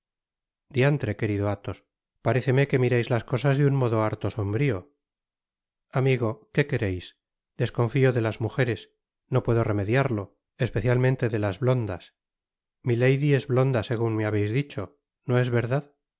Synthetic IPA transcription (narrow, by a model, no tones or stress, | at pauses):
d̪iant̪ɾe̞ke̞ɾiðoat̪o̞s | paɾe̞θe̞me̞ke̞miɾejzlasko̞sazðeunmo̞ðo̞aɾt̪oso̞mbɾio̞ | amiɣo̞ke̞ke̞ɾe̞js | d̪e̞sko̞ɱfio̞ðe̞lazmuxe̞ɾe̞s | no̞pwe̞ðo̞re̞me̞ðjaɾlo̞ | espe̞θjalmẽnt̪e̞ðelazβlo̞nd̪as | mile̞jðie̞zβlo̞nd̪ase̞ɣ̞uŋmeaβe̞jzðit͡ʃo̞ | no̞e̞zβe̞ɾðað